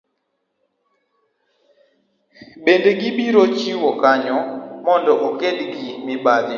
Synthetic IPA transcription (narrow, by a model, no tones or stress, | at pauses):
bendeɡibiɾot͡ʃiwɔkaɲɔmɔndɔʔokedɡimɪbad̪ɪ